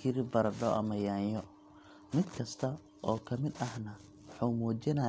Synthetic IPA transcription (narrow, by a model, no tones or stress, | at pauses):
kʰɪɾɪbɐɾɐɖɔʔɐ̰mɐjaːɲjɔ | mɪd̪kʰɐst̪ʰɐ | ʔɔːkʰɐmɪd̪ɐhnɐ | wħɑwmuːt͡ʃɪnɐ